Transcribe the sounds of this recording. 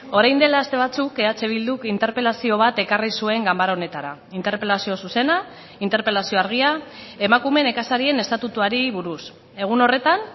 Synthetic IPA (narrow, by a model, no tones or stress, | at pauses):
o̞ɾajnd̪e̞laːst̪e̞β̞at͡sukeat͡seβ̞ild̪ukint̪e̞ɾpe̞lasio̞β̞at̪e̞karisue̞ŋɡambaɾaone̞t̪aɾa̰ | int̪e̞ɾpe̞lasio̞suse̞na | int̪e̞ɾpe̞lasio̞aɾɣ̞iae̞makume̞ne̞kasaɾie̞ne̞st̪at̪ut̪uaɾiβuɾus | e̞ɣ̞uno̞re̞t̪an